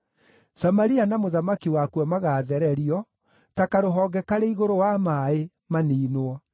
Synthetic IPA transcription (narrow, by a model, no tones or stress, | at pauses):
samaɾianamoðamakiwakuwɔmaɣaːðɛɾɛɾiɔ | takaɾoɦɔːɡɛkaɾeiɣoɾowamae | maniːnwɔ